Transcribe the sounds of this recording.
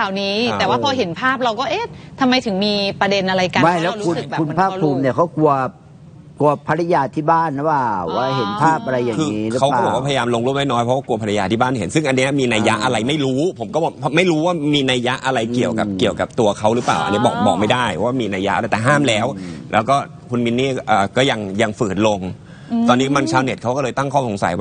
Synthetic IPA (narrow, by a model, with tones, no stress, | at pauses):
a˨˩niː˦˥ɛː˨˩waː˥˩pʰɔ˧ɦe˩˦npʰaː˥˩p̚ɾa˧wkɔː˥˩ʔe˦˥˩t̪ʰa˧mːa˧jt̪ʰɯ˩˦ŋmiː˧pɾa˧de˧nʔa˧ɾa˧jka˧ma˥˩lɛː˦˥˦kʰu˧˨kʰu˧npʰaː˥˩pʰːuː˧mni˥˩kʰa˦˥wku˧ɐ | ku˧ɐpʰa˧ɾa˧jaː˧t̪ʰiː˥˩baː˥˩nː˦˥˩waː˧˩waː˦˥˩ɦe˩˦npʰaː˥˩p̚ʔa˧ɾa˧jːaː˨˩kʰɯː˧ŋːiː˦˥ɾkɯ˦˥a˦˥wkaː˥˩bɔ˨˩kwaː˥˩a˧ja˧jaː˧mloː˧ŋɾuː˥˩m̚da˥˩jnɔː˦˥jpʰɔ˦˥waː˥˩ku˧ɐpʰɾa˧jaː˧t̪iː˥˩baː˥˩nhe˩˦nsɯ˥˩ŋʔa˧nːi˦˥ɐmiː˧naː˧ja˦˥ʔa˧ɾa˧jma˥˩jɾuː˦˥pʰo˩˦mkɔː˥˩bɔ˨˩pʰɔ˦˥ma˥˩jɾuː˦˥waː˥˩miː˧naː˧jːa˦˥ʔa˧ɾa˧jki˨˩əwka˨˩p̚ki˨˩əwka̰˨˩p̚t̪u˧ɐkʰa˦˥wɾɯː˦˥plaː˨˩wʔa̰˧nːi˦˥˩bɔ̰ː˨˩k̚bɔ̰ː˨˩k̚ma˥˩da˥˩jwaː˥˩miː˧naː˧ja˦˥ʔa˧ɾa˧˥˩jt̪ɛː˨˩ɦaː˥˩mlɛː˦˥wlɛː˦˥wkɔː˥˩ | kʰu˧nmi˦˥nːiː˥˩ʔɤː˨˩kɔː˥˩ja˧ŋja˧ŋfɯː˨˩t̪̚lo˧ŋ | t̪ɔː˧nːiː˦˥˩ma˧nt͡ɕʰaː˦˥wne˨˩t̪̚kʰa˦˥wkɔː˥˩lːjt̪a˥˩ŋkʰɔː˥˩so˩˦ŋsa̰˩˦jwa˥˩